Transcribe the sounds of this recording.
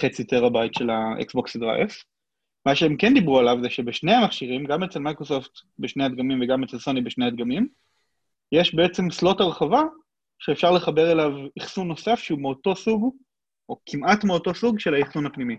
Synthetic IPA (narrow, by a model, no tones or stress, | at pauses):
χet͡sit̪eʁabajtʃe̞laʔḛksboksdʁa̰jf | maʃeemke̞nd̪ibʁualavzeʃe̞beʃne̞amaχʃiʁimɡamet͡selmajkʁosoft̪beʃnead̪̚ɡamimveɡame̞t͡selso̞nibeʃnead̪ɡamim | je̞ʃbeet͡se̞mslo̞taʁχava | ʃeːfʃaʁle̞χabe̞ʁe̞laviχsunːo̞safʃeumeoto̞suɡ | ʔo̞kʰimatmeoto̞suɡʃe̞laiχsunapnimi